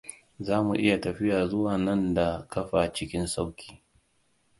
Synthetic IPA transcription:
zaː˦mṵ˨ʔɪ˦ja˨tɐ˨ɸɪ˦jaː˨zʊ˦waː˨nɐ˦nda˨kɐ˦ɸa˨t͡ʃɪ˦kʲɪ˦nsa˦wkʲi̥ː˨

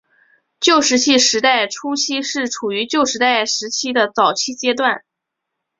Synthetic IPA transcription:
t͡ɕjo˥˩ʊʂɻ̩˧˥t͡ɕʰi˥˩ʂɻ̩˧˥t̪a˥˩ɪʈ͡ʂʰu˥t͡ɕʰi˥ʂɻ̩˥˩ʈ͡ʂʰu˨˩y˧˥t͡ɕjo˥˧ʊʂɻ̩˧˥t̪a˥˩ɪʂɻ̩˧˥t͡ɕʰi˥d̪ə˨t͡sɑ˨˩ʊt͡ɕʰi˥t͡ɕjɛ˥t̪̬wa˥˩n

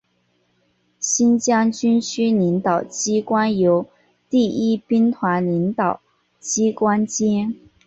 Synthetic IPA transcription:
ɕi˥nt͡ɕjɑ˥ŋt͡ɕy˥nɕy˥li˧˥ŋt̪ɑ˨˩ʊt͡ɕi˥kwa˥njo˧˥ʊ | t̪i˥˩i˥pi˥nt̪ʰwa˧˥nli˧˥nt̪ɑ˨˩ʊ | t͡ɕi˥kwa˥nt͡ɕi˥n

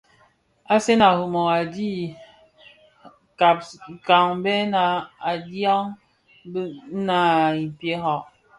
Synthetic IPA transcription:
a˦se˦na˨hu˨mo˨a˨di˦ | ka˨p̚ka˨ŋ˦bɛ˦na˨a˨dja˦ŋ | b̩˦na˨i˨pje˦ɦɔ˨ʔ

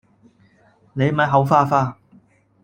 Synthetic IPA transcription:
ne˨˧jmɐ˨˥jɦɐ˨˧˥wfaː˥faː˥˩

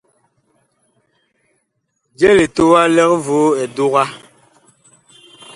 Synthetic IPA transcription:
d͡ʒɛ˦le˨to˦wa˦lɛ˦kvo˨˦ɛ˨du˦ɣa˦

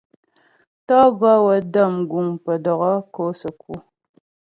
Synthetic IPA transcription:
tɔ˦ɡɔ˦wə˨də˦˨mɡu˨ŋpə˨dɔ˨ɣɔ˦ko˦sə˨ku˦

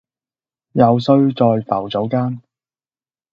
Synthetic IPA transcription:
jɐ˨˧wsɵ˧ɥt͡sɔː˨˧jfɐ˨˩wt͡so˨˥wkaː˥n

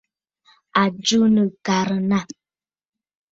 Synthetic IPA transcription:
a˨d͡ʒu˦nə˨ka˨ɾə˨na˦˨

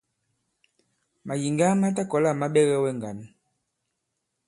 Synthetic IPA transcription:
ma˨ji˨ŋɡa˦ma˦t̬a˦kɔ˨la˦˨ma˦ɓɛ˦ɣɛ˦wɛ˦ŋ˨ɡa˨n˦

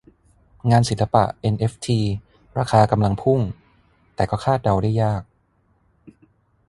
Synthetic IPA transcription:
ŋaː˧nsi˨˩˦nla˧pa̰˨˩ʔʔe˧nʔe˦˥f̚t̪ʰiː˧ | ɾaː˧kʰaː˧ka˧mla˧ŋpʰu˥˩ŋ | t̪ɛː˨˩kɔː˥˩kʰaː˥˩t̪̚da˧wdaː˥˩jːaː˥˩k̚

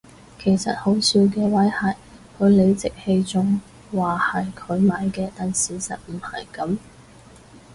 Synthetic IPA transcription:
kʰe˨˩jsɐ̰˨t̚ho˨˥wsiː˨˧wk̬ɛː˧wɐ˨˥jhɐ˨˩j | kʰɵ˨˧ɥle˨˧jt͡sɪ˨k̚he˧jt͡sʊ˥ŋ | waː˨hɐ˨jkʰɵ˨˧ɥmaː˨˧˥jkɛː˧t̪aː˨nsiː˨˩sɐ̰˨t̚m̩˨˩hɐ̰˨jkɐ˨˥m

